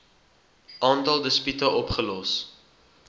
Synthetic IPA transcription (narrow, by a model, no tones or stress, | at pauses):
ʔɑːntɐlˠdəspytəʔɔpχəlɔs